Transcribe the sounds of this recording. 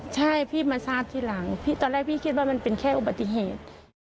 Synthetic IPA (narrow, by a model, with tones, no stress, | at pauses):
t͡ɕʰa˥˩jpʰiː˥˩˨maː˧saː˧˥˩t̪ʰːiː˧˩˨la˨˩˦ŋpʰiː˧˥˩t̪ɔː˧˦lɛː˥˩k̚pʰiː˥˩kʰi˧t̪̚waː˧˩ma˧˥˨npe˨nkʰɛː˧˥˩ʔu˨˧˩ba˨˩t̪ːi˧ɦeː˨˩t̪̚